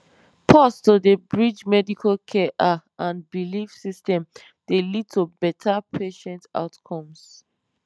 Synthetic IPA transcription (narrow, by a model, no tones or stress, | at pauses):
pʰɔstodəbɹid͡ʒmɛdikʰalkʰɛʔaãnbilifsistɛ̃m | d̥elid̚tubɛtʰapʰeʃɛ̃nta̰ʊtkʰɔ̃ms